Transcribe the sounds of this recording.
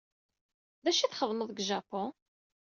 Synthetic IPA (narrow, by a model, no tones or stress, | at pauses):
ðæʃiθχəðˤməðˤɡʒapɔ̃